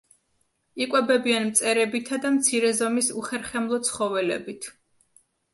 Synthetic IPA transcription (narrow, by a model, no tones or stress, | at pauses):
ikʼwɛbɛbianmt̪sʼɛɾɛbit̪ʰad̪amt̪sʰiɾɛzɔmisuχɛɾχɛmlˠɔt̪sʰχɔvɛlɛ̰bit̪ʰ